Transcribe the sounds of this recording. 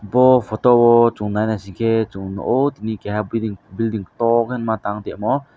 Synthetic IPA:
bɔfʰɔt̪ɔbɔt͡ʃuŋnajnasikʰɛt͡ʃuŋnɔ̰ʔot̪inikɛɦabd̪iŋbild̪iŋt̪ɔkɛnmat̪aŋt̪ɛmɔ

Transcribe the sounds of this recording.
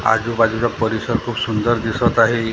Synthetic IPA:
a̰d͡ʒubad͡ʒuɾapɔɾisɔɾkʰubsund̪ɔɾd̪isɔt̪aɦi

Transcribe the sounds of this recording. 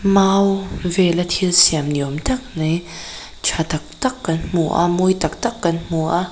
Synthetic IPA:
mawvelat̪ʰilsɛmnomt̪ək̚nə | t͡ʃʰat̪ək̚t̪əkːənmuʔa̰mujt̪ək̚t̪əkːənmuʔa

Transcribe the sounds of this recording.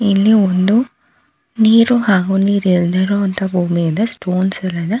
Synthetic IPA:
ilːiond̪u | niːɾuɦaːɡuniːɾeɭd̪ɐɾoɐnt̪ɐbʱuːmiɐd̪ɐsʈoːnsɐlːɐd̪ɐ

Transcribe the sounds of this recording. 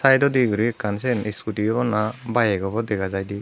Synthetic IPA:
sajdɔdiɡɯɾikansɛniskutiɔbɔnabajeɡɔbɔd̪ɛɡazajdi

